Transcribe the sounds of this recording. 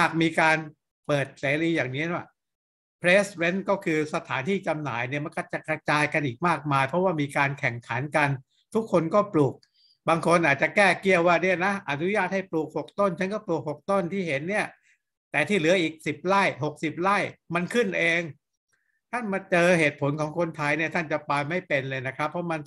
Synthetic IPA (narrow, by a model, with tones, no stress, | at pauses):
aː˨˩k̚miː˧kaː˧n | pɤː˨˩t̪̚seː˨˩˦ɾiː˧jaː˨˩ŋni˦˥nu˦˧˩ | pʰɾeː˦˥swe˦˥nkɔː˥˩kʰɯː˧sa˧t̪ʰaː˩˦nt̪ʰiː˥˩t͡ɕa˧mna̰ː˩˦jni˥˩ɐma˧nkɔ˥˩t͡ɕa˨˩kɾa˧t͡ɕaː˧jka˧nʔiː˨˩k̚maː˥˩k̚maː˧jpʰɾɔ˦˥waː˥˩miː˧kaː˧nkʰɛ˨˩ŋkʰa˩˦nka˧n | t̪ʰu˦˥kʰːo˧nkɔː˥˩pluː˨˩k̚ | baː˧ŋkʰo˧nʔaː˨˩t̪̚t͡ɕa˨˩kɛː˥˩ki˥˩əwwaː˥˩ni˥˩ɐna˦˥ʔa˨˩nu˦˥jaː˥˩t̪̚ha˥˩jpluː˨˩k̚ho˨˩k̚t̪o˥˩nt͡ɕʰa˦˥nkɔː˥˩pluː˨˩k̚ho˨˩k̚t̪o˥˩nt̪ʰiː˥˩he˩˦nːi˥˩ɐ | t̪ɛː˨˩t̪ʰiː˥˩lɯ˩˦ɐʔiː˨˩k̚si˨˩p̚ɾa˥˩jɦo˨˩k̚si˨˩p̚ɾaː˥˩jma˧nkʰɯ˥˩nʔeː˧ŋ | t̪ʰa˥˩nma˧t͡ɕɤː˧ɦheː˨˩t̪̚pʰo˨˦nkʰɔː˩˦ŋkʰo˧nt̪ʰa˧jni˥˩ɐt̪ʰa˥˩nt͡ɕa˨˩pa˧jma˥˩jpe˧nlɤː˧jna˦˥kʰɾa˦˥pʰːɔ˦˥ma˧n